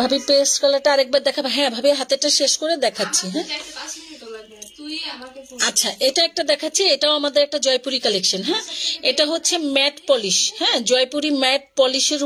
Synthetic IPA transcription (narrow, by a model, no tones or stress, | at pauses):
bʱabipeskalaɾʈaaɾek̚baɾd̪ɛkʰabɦɛ̃bʱabeɦat̪eʈaʃeʃkoɾed̪ɛkʰatːɕʰiɦɛ̃ | atːɕʰaʔeʈaɛk̚ʈad̪ɛkʰatːɕʰieʈaoamad̪eɾɛk̚ʈad͡ʑɔjpuɾikalekʃanɦɛ̃eʈaɦotːɕʰemɛʈpɔliʃhɛ̃d͡ʑɔjpuɾimɛʈ̚pɔliʃeɾ